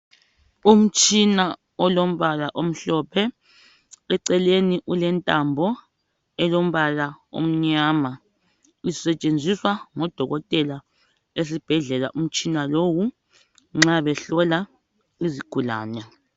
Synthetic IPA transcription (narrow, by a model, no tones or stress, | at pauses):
um̩t͡ʃʼina | ɔlom̩βalaʔom̩ɬɔpʰɛ | ɛǀɛleniʔulɛntʼambʱɔ | ɛlom̩βalao̰m̩ɲaːma | isɛt͡ʃʼend͡zʱiswaŋɔd̥ʱɔɣɔtʼɛla | esib̥ʱɛɮɛla̰ʔum̩t͡ʃʼinalowu | ŋ͡ǁaβɛɬɔla | iziɡ̥ʱula̰ːnɛ